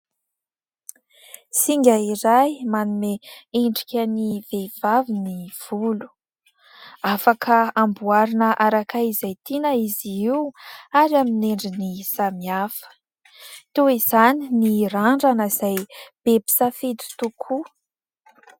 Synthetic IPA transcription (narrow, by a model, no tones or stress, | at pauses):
siŋɡʲaiɾajmanumeeɳɖ͡ʐikʲəniveiv̥aviniv̥ulu̥ | afakʰəambuaɾinəʔaɾakaizajt̪inaiziiwaɾjamineɳɖ͡ʐinisamiafə̥ | t̪eizaniniraɳɖ͡ʐanəz̥ajb̥ebi̥safet̪u̥t̪ukʰu